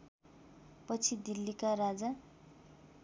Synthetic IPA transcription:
pʌt͡sʰid̪ilːikaɾad͡za

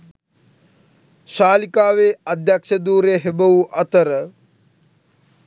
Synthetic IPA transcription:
ʃaːlikaːʋead̪jakʂəd̪uːɾeɦebəʋuʔɐt̪əɾə

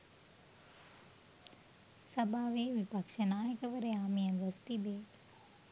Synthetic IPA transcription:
sɐbʱaːʋeːʋipɐkʂənaːjəkəʋəɾeaːmijənʋəst̪id̪eː

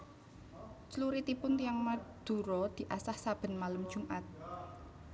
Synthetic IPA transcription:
t͡ʃluɾit̪ipʊnt̪ijaŋmad̪̥ṳɾɔd̪̥i̤ʔasahsab̥ə̤nmaləm̥ʒ̥ṳmʔat̪̚

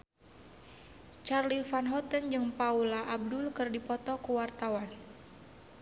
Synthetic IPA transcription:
t͡ʃarlifanɦɔt̪ənd͡ʒɨŋpaulaʔab̚dʊlkɨrdipɔt̪ɔkuwart̪awan

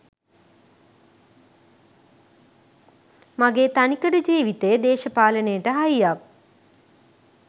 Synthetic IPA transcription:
maɡeːt̪anikəɖəd͡ʒiːʋit̪ejəd̪eːʃəpaːlənejəʈəɦajjak̚

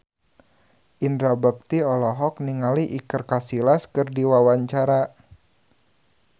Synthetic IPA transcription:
ʔindɾabək̚t̪iɔlɔɦɔk̚niŋaliʔikərkasilaskɨrdiwawaɲt͡ʃaɾa

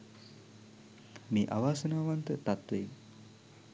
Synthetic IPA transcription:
meːʔaʋaːsənaːʋant̪ət̪at̪ʋem

